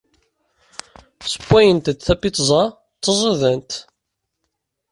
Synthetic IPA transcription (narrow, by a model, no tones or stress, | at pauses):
sə̥bʷːæjənt̪θæpːit̪ˤzˤɑ | t̪ˤːəzˤəðənt̪